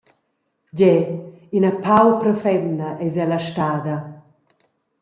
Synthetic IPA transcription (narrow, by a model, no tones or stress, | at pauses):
ɟɛ | inapawpɾɔfɛndɐʔɛzɛlaʃtaːd̪ɐ